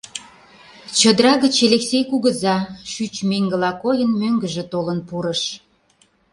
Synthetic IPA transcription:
t͡ɕəd̪ɾɑɣət͡ɕeleksʲejkuɣə̆zɑʃyt͡ɕmeŋɡəlɑkojənmøŋɡəʒĕt̪olənpuɾəʃ

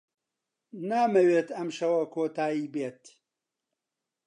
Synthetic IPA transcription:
naːmɐweːt̪ɐmʃɐwɐkoːt̪aːiːbeːt̪

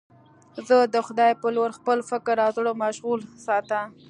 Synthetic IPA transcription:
zəd̪əxʊd̪ɑjpəloɾxpəlfɪkɾːɑzɽomaʃɣulsɑt̪a

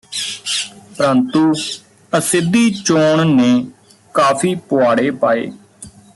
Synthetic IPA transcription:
pəɾənt̪uː | əsɪd̪iːt͡ʃoːɳnẽː | kaːpʰiːpoaːɽeːpaːḛː

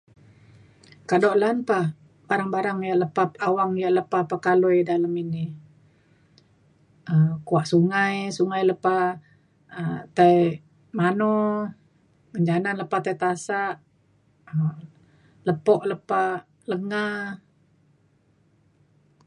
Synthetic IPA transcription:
kadɔʔlanpah | baɾaŋbaɾaŋjaʔləpapawaŋjaʔləpapakalojdaləmini | əmkuaʔsuŋajsuŋajləpa | ət̪aj | manɔ | məɲd͡ʒananləpaht̪ajt̪asaʔ | ə | ləpɔʔləpa | ləŋa

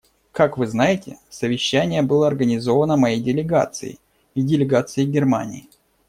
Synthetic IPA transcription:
kakvɨznajɪtʲɪsəvʲɪɕːænʲɪjəbɨlˠəɐrɡənʲɪzo̞vənəmɐjejdʲɪlʲɪɡa̰t̪sɨ̰ɪ̰ | idʲɪlʲɪɡat̪sɨɪɡʲɪrma̰nʲɪ̰ɪ

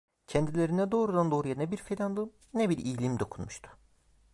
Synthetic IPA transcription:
cʰɛnd̪ilʲeɾinɛd̪o̞ːɾud̪and̪o̞ːɾujanɛbiɾfelʲand̪ˠɯm | nɛbiɾijlʲimd̪o̞kʰunmuʃt̪ʰʊ̥

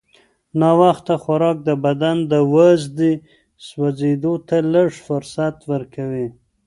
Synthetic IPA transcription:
nɑwaxt̪axaɾɑk̚d̪əbad̪and̪əwazd̪i | swazed̪ot̪aləʐfʊɾsat̪wəɾkawi

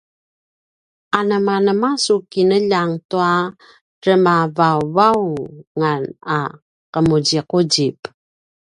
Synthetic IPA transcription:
ʔanəmanəmasukinəʎaŋtua | ɾəmavavauŋana | qəmuɟiquɟip

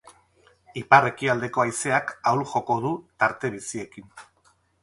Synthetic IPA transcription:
ipare̞kiald̪e̞ko̞ajse̞akawlʝo̞ko̞ð̞ut̪aɾt̪e̞β̞isie̞kin

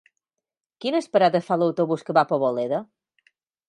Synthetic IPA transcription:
kinəspəɾadəfaləwt̪oβuskəβapoβoleðə

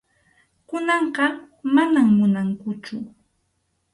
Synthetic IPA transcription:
kʊnɑɴɢɑ | manamːʊnaŋkʊt͡ʃʊ

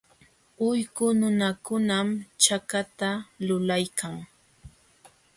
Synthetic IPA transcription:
ʊjkʊnʊnakʊnamt͡ʃakat̪alʊlajkʰaŋ

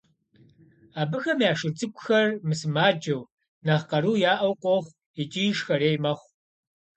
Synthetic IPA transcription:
aːbɨxɐmjaːʂɨrt͡sʼɨkʷʼʊxɐrmɨsɨmaːd͡ʒɐw | nɐʁqɐɾuːjaːʔɐwqʷʼɔχʷ | it͡ʃʼijʂxɐɾeːjmɐχʷ

